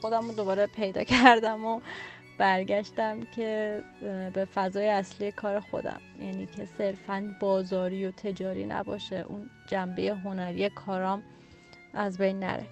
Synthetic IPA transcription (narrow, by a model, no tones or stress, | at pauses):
xo̞d̪æmod̪o̞bɒːɾepʰe̞jd̪ɒ̰ːcʰæɾd̪æmo | b̥æɾɟæʃt̪æmcʰe | be̞fæzɒːjeæslije̞kʰɒːɾe̞xo̞̰d̪æ̰mjæ̰ːniːcʰe̞se̞ɾfænbɒːzɒːɾiːjot̪ʰe̞d͡ʒɒːɾḭːnæ̰bɒ̰ːʃeʔṵn | d͡ʒæmbeje̞ɦo̞næɾiːekʰɒːɾɒːm | ʔæzbejnːæ̰ɾḛ